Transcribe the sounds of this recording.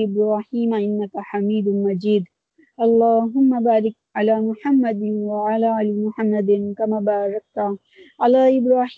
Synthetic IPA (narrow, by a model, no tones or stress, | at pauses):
ɪbɾaːħiːmaʔɪnːakaħamiːd̪ʊmad͡ʒiːd̪ | ʔɑlˤːaːɦʊmːabaːɾɪk̚ʕalaːmʊħamːad̪ɪwaʕalaːʔaːlɪmʊħamːad̪ɪnkamaːbaːɾˤɑk̚t̪a | ʕalaːʔɪbɾˤaːħ